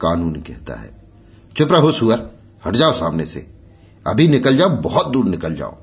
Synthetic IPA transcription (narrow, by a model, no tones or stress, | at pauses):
kaːnuːnkɛ̰ɦt̪a̰ɦɛ̰ː | t͡ʃʊpɾəɦosuəɾ | hɐʈd͡ʒaːosaːmnesḛ | ɐ̰bʱinɪkəld͡ʒaːobɔɦɔt̪̚d̪uːɾnɪkəld͡ʒa̰ːo̰